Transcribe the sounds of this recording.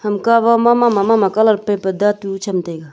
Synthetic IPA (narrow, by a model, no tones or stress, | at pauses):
hɐmkaʋamamamamamakɐləɾpepəd̪at̪ut͡ʃʰɐmt̪eɡa